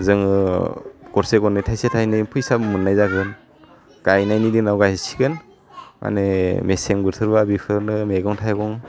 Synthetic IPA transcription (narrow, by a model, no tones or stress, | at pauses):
zɯŋɯ | ɡ̥ɔɾseɡɔnɯtʰajsetʰajnɯpʰɯjsapmɯnːajzaɡɯn | ɡ̥ajnajnidinawɡajsi̥ɡɯn | mʔa̰nemesemɡɯɾtʰɯɾbabipʰɯɾnɯmeɡɯŋtʰajɡɔŋ